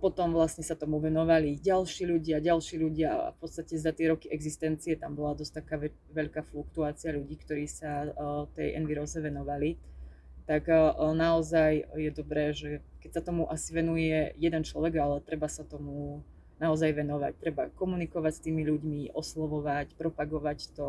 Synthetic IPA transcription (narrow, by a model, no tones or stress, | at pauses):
pɔt̪ɔmʋlasɲɛsat̪ɔmuʋɛnɔʋaliɟalʃiːʎuɟɪaɟalʃiːʎuɟɪa̰a̰fpɔt̪st̪acɛzat̪ɪɛɾɔkiʔɛɡzist̪ɛnt͡siɛt̪ambɔlad̪ɔst̪akaːɛ | ʋɛʎkaːflukt̪uaːt͡siaʎuɟiːkt̪ɔɾiːsat̪ɛ̰jʔɛ̰nʋiɾɔzɛʋɛnɔʋali | t̪aknaɔzajjɛd̪ɔbɾɛːʒɛkɛcsat̪ɔmuʔasiʋɛnujɛjɛd̪ɛnt͡ʃlɔʋɛɡalɛt̪ɾɛbasat̪ɔmu | naɔzajʋɛnɔʋa̰c̚t̪ɾɛba̰kɔmunikɔʋacst̪iːmiʎuɟmiʔɔslɔʋɔʋacpɾɔpaɡɔʋact̪ɔ